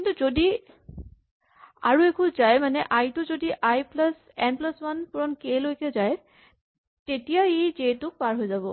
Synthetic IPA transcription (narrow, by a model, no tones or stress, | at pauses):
kintuzodi | a̰ɹuekʰuzajmanɛʔajtʊzodiʔajplas | ɛnplaswanpuɹɔnkelojkɛzaj | tetijaezetʊk̚paɹɦojzabɔ̰